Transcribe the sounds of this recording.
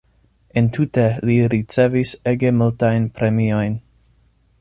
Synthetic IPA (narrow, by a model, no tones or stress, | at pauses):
entʰuteliɾit͡seviseɡemultajnpɾemiojn